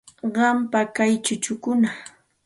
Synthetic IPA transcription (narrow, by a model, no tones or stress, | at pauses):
ɢɑmpakajt͡ʃʊt͡ʃʊkʊna